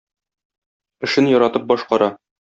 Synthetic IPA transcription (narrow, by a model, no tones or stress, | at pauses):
ɘ̆ʃɘnjɒɾɑt̪ɤp̚bɒʃqɑɾɑ